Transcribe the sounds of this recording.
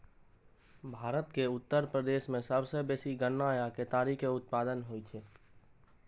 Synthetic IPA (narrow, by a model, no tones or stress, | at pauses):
bʱaːɾət̪keʊt̪ːəɾpɾəd̪eːʃmẽsəbsebeːsiɡənːajaket̪aːɾikeʊt̪̚paːd̪ənɦoit͡ʃʰeː